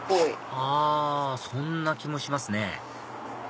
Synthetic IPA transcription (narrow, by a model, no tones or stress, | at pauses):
poiaːsõ̞nːakʲimo̞ɕimasɨne̞